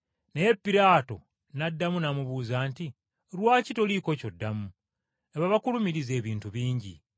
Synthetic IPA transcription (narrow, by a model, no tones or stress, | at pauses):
nejepːiɾaːto̞̰ | nadːamunamuβuːzaːnti | ɾwaːcitoliːko̞co̞dːamu | eβaβakulumiɾize̞ːβiːntuβiːɲɟḭ